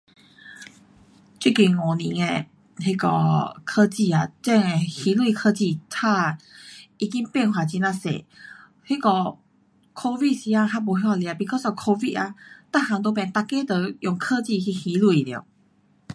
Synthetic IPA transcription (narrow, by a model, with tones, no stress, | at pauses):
t͡ɕwi˥˩ki˨˩ŋɔ˨˩nĩ˨˦e˧ | ɦi˦˧kɔ̰˧˩kʰɤ˦˧t͡ɕi˥˧a˨t͡ɕɛ˥˧ŋe˨hi˧˦lwi˨kʰɤ˧t͡ɕi˥˧˨t̪ʰa˥˧ | i˧ki˦ŋpɛ˥˧˨nɦwa˨˩t͡ɕi˧nã˧sḛ˨ | hi˦˥kɔ˧ | kʰo˧vi˥˧t̚si˧˦a˧ɦa˧bo˨˦ɦi˧˦wa˧li˧a˨˩pi˧kʰo˥˧so˧˩kʰo˧vi˥˧ʔa˧t̪a˥˧˨ha˧ŋt̪̬o˧pɛ̃˨nt̪a˧˨ke˥˦t̪ə˧jɔ˨˩ŋkʰə˥˧t͡ɕi˥˧˨ɦi˧hi˧˦lwu˧˨i˨ljḭ˧˩˨